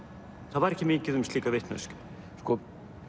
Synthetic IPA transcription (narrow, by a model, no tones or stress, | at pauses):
θaðvaɾɛhcɪmɪɲcɪðʏmst̪liːkavɪht̪na̰sk | skɔ